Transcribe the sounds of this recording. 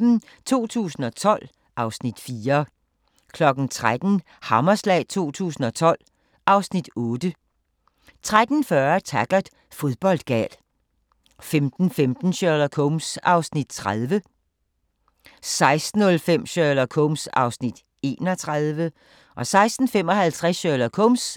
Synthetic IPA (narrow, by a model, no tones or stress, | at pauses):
t͡sʰo̝̰ːt͡sʰṵːsn̩ɒ̽t͡sʰɒ̽l̰ | ʔɑ̈ʊsnid̥fiːɐ | kʰlɒ̽ɡ̥n̩t͡sʰʁad̥n̩ | hɑ̈mɐslɛ̰ːɪt͡sʰo̝̰ːt͡sʰṵːsn̩ɒ̽t͡sʰɒ̽l̰ | ɑ̈ʊsnid̥ɔːd̥ə | t͡sʰʁad̥n̩fɶɐt͡sʰæɡ̥ɐd̥ | fo̝ðˠb̥ɒ̽l̰d̥ɡ̥ɛ̰l | femd̥n̩femd̥n̩ɕølɐkʰɔmsɑ̈ʊsnid̥̚t͡sʰʁað̞ˠʋə | sɑ̈ɪsd̥n̩ɔ̽lfem̰ɕølɐkʰɔmsɑ̈ʊsnid̥ | e̝̰ːnɒt͡sʰʁað̞ˠʋə | ʔɒ̽sɑ̈ɪsd̥n̩fem̰ɒ̽hælt͡sʰʁasœlɐkʰɔms